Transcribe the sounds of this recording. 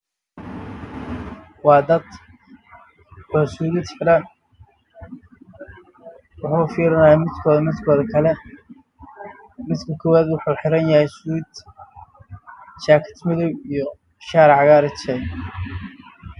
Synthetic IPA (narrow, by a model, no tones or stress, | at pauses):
wɑːd̪ɐd̪ | wasuːɾɪd̪ħɪɾɐn | wʊħuːfiːɾɪnɐjaːmɪd̪kʰɔmɪd̪kʰɔːðɐkʰɐlɛ | mɪd̪kʰɐkʰɔwaːd̪wʊħuːħɪɾɐnjɐhɛjsuːd̪ | t͡ʃaːkʰɐ̥t̪ʰmɪðɔwijɔ | ʃaːɾʕɑɣaːɾɪt͡ʃʰɛ